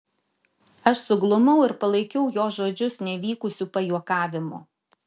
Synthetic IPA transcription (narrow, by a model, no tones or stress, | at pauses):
ɐʃsʊɡlˠʊmɐʊɪɾpɐlˠɐɪkʲɛʊjoːsʒoːd͡ʒʲʊsnʲɛʋʲiːkʊsʲuːpɐjuɔkɑːʋʲɪmʊ̰